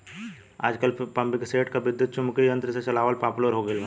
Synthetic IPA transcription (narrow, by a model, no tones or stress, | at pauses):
a̰ːd͡ʒkɐlpɐ̃mbɪkseːʈkaʋɪd̪jʊt̪̚t͡ʃʊmkijə̃nt̪ɾəset͡ʃɐlaːʋəlpaːpʊləɾɦoːɡela